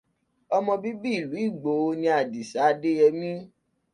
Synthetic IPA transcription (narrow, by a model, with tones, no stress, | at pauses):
ɔ˧mɔ̃˧bi˦bi˦i˨lu˨˦i˦˨ɡ͡bo˨˦o˧˦nĩ˧a˨di˨sa˨˦de˦jɛ˧mĩ˦